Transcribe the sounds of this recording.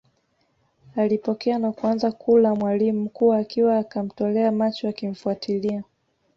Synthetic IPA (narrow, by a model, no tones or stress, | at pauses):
alipɔkɛanakuanzakʰulamwalimukuwaːkiwaːkam̩tɔlɛamat͡ʃɔakim̩fuatʰilia